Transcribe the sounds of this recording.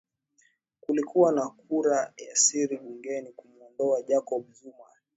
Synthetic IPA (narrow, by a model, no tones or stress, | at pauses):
kulikuwanakuɾajasiɾiɓuŋɡɛnikumuɔndɔaʄakɔɓzuma